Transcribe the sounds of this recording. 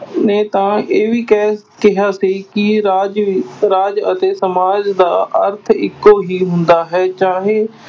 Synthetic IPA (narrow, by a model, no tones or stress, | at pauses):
neːt̪ãːeːʋiːkɛ | kɪɦaːsiːkɪɾaːd͡ʒɾaːd͡ʒət̪eːsəmaːd͡ʒd̪aːʔə̰ɾt̪ʰɪkːoːɦiːɦʊnd̪aːɦɛːt͡ʃaːɦeː